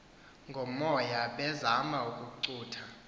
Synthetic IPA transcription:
ŋɡʱomɔjaɓɛzamaukʼuǀuːtʰa

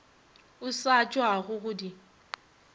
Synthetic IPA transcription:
ʊsat͡ʃʼwaɣʊɣʊdi

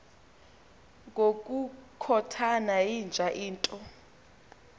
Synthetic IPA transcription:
ŋʱok̬ʼukʰɔtʰanajind͡ʒʱaʔiːntʼɔ

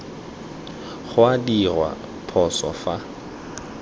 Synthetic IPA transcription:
χʊadirwa̰ | pʰɔsɔ̰fa

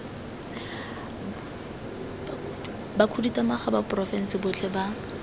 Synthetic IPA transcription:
bakʰuditamaχabapʼrɔfɛn̩sɪbʊt͡ɬʰɛba

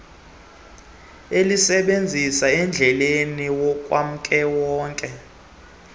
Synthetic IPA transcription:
elisɛɓend͡zʱisaɛnd͡ɮʱɛleniwɔkʼwam̩kʼɛwɔːŋkʼɛ

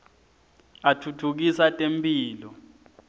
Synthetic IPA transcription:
atʰutʰuk̬isatʼempʼiːlɔ

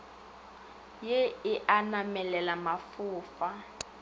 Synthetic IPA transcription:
jeɪʔanamɛlɛlamafʊːfa

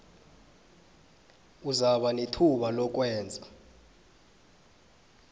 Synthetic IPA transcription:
uzaɓanetʰuɓalɔk̬wɛːnd͡zʱa

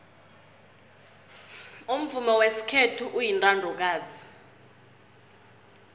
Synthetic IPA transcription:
um̩vumɔwesi̥kʰetʰuʔujintʼandʱɔk̬aːzi

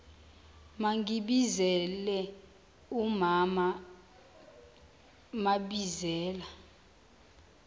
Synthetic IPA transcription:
maŋɡiɓizɛlɛ | umama | maɓizɛːla

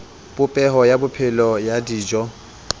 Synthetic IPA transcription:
b̥ʊpʼɛɦɔjabʊpʰɪlɔjadiːd͡ʒɔ

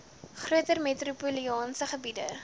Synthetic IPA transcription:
χruətərmetrupuliɑːnsəχəbidə̰

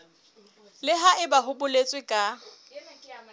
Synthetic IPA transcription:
lɪɦaʔɪbaɦʊbʊlet͡sʼwɪkʼa

